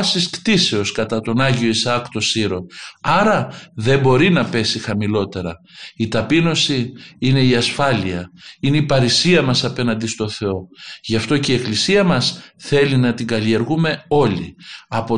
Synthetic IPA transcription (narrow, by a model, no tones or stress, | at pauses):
siskt̪ise̞o̞skɐt̪ɐt̪o̞nɐʝio̞isɐkt̪o̞siɾo̞ɐɾɐðe̞mbo̞ɾinɐpe̞sixɐmilo̞t̪e̞ɾɐ̰ | it̪ɐpino̞siine̞iɐsfɐliɐineipɐɾisiɐmɐsɐpe̞nɐnd̪ist̪o̞θe̞o̞ʝɐft̪o̞ceieklisiɐmɐsθe̞linɐt̪iŋɡɐlie̞ɾɣume̞o̞liɐpo